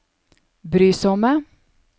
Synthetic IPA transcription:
bɾyːsɔmə

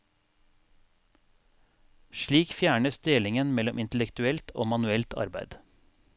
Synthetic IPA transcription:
ʃɭiːkfjæːɳəsd̪eːlɪŋənmɛlɔmʔɪnt̪lɛkt̪ʉɛlt̪ʰo̰ːmɑnʉɛlt̪ʰɑ̰ɾbæɪd̪̥

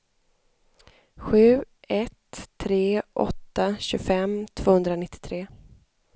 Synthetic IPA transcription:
ɧʉ̟ːɛt̪ʰːɾeːʔɔ̰t̪ːaɕɵɡfɛmt̪ʰv̥oːhɵnd̪ɾanɪt̪ːɪ̥t̪ʰɾeː

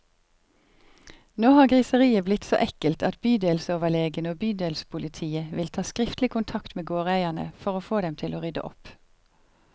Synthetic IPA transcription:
noːhɑːɡʁisəʁiːəblɪt̪so̰ːʔɛkəlt̪ʰɑt̪byːd̪eːlsəoːʋəleːɡənəoːbyːd̪eːlsə̥pʰʊlɪt̪ʰiːəʋɪlt̪ʰɑːskʁɪft̪lɪkʰʊnt̪ʰɑkt̪meːɡoːʁæɪənə̰fɔʁoːfoːd̪ɛmt̪ʰɪloːʁʏd̪ə̰ʔɔ̰p

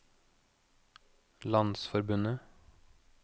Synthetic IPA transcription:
lɑnsfɔɾbʉnə

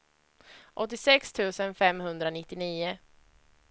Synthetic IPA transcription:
ʔɔt̪ːɪsɛkst̪ʰʉ̟ːsənfɛmɦɵnd̪ɾanɪt̪ːɪniːʊ

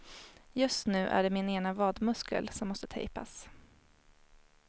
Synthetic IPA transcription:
jɵst̪nʉ̟ːʔæ̰ɖɛmɪneːnavɑːd̪mɵskə̰lsɔmːɔst̪ət̪ʰɛ̰jpa̰s

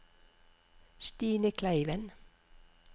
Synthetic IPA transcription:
st̪iːnəkʰlæɪʋən

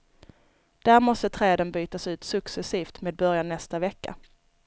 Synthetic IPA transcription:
d̪̥æːɾmɔst̪ət̪ʰɾɛːd̪ənbyːt̪asʉ̟ːt̪sɵksɛsiːft̪meːd̪̚bœɾjanːɛst̪avɛkːa̰

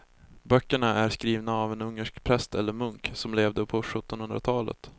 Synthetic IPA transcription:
bœkːəɳaʔæɾʂkɾiːvnaːvɛnɵŋːəʂkpʰɾɛst̪ɛlːəɾmɵŋksɔmleːvd̪əpʰɔɧɵt̪ːɔnhɵnd̪ɾa̰t̪ʰɑːlə̰t̪

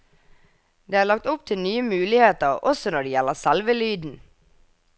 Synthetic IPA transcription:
d̪eːæːɭɑk̚t̪ʊp̚t̪ʰɪlnyːəmʉːlɪheːt̪əʁʔɔsɔnɔɖeːjɛləʁsɛlʋəlyːd̪n̩

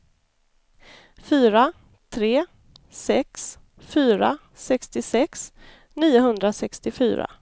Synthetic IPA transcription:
fyːɾa | t̪ʰɾeː | sɛks | fyːɾa̰ | sɛkst̪ɪsɛks | niːʊɦɵnd̪ɾasɛkst̪ɪfy̰ːɾa̰

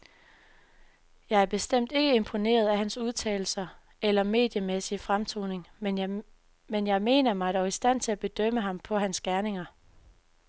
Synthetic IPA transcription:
jɑ̈ɪæɐb̥e̝sd̥em̰d̥e̝ɡ̥əe̝mpʰo̝ne̝̰ːɐð̞̩ˠæɦænsuð̞ˠt͡sʰɛ̰ːɪl̩sɐ | ʔelɐme̝̰ːd̥jəmesifʁamt͡sʰo̰ːne̝ŋ | menjɑ̈ɪme̝̰ːnɐmɑ̈ɪɾ̥ɒʊisd̥æn̰t͡sʰe̝læb̥e̝d̥øm̰əɦɑ̈mpʰɒ̽ɦænsɡ̥æɐne̝ŋɐ

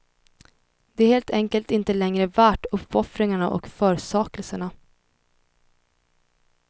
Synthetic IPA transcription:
d̪ɛæɾheːlt̪ʰɛŋkəlt̪ɪnt̪əlɛŋɾəvæːʈːɵpːɔfɾɪŋaɳaʔɔ̰kfœːɾsɑːkəlsəɳa

